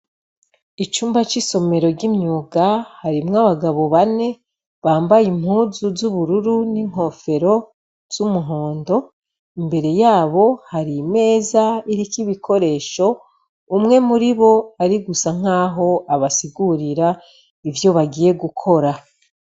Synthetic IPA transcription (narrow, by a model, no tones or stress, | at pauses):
it͡ʃuːmbat͡ʃiso̞me̞ɾo̞ɾɟimɲuːɡahaɾimŋaβaɡaβo̞βane̞ | βaːmbajim̥huːzuzuβuɾuɾuniŋ̥ho̞fe̞ɾo̞ | z̥umuɦo̞ːndo̞ | imbe̞ɾe̞jaːβo̞haɾime̞ːzaiɾikiβikʰo̞ɾe̞ːʃo̞ | umŋe̞muɾiβo̞aɾiɡusaŋ̥aːɦo̞ʔaβasiɡuɾiɾa | ivjo̞βaɡije̞ɡukʰo̞ɾa